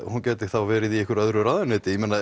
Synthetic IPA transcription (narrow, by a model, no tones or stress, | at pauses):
huncɛːt̪ɪθawvɛːɾɪðiɛhkʏɾœðɾʏɾaːðʏnʏːt̪ɪjɛmɛːna